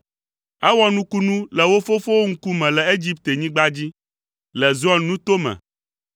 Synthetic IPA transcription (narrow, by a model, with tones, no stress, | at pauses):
ɛ˦wɔ˦nũ˦ku˦nũ˦lɛ˨wo˦fo˦fo˦wo˦ŋ̩˦ku˦mɛ̃˨lɛ˨e˦d͡ʑi˦pt̪e˨ɲĩ˦ɡ͡ba˦d͡ʑi˦ | lɛ˨zɔ˦nnũ˦t̪o˦mɛ̰̃˨